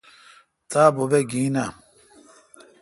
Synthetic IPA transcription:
t̪aːbobeɡiːna

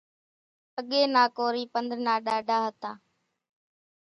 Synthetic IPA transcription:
əɠeːnaːkoːɾiːpənd̪ɾnaːɗaːɖʱaːɦət̪ãː

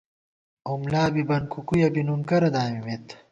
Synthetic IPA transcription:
umlaːbibɐnkukujɐbinunkɐɾɐd̪aːmimet̪

